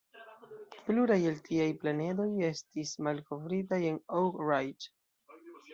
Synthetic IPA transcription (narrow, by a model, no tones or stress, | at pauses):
pluɾajeltʰiajplane̞do̞je̞stismalko̞vɾitaje̞nowkɹajt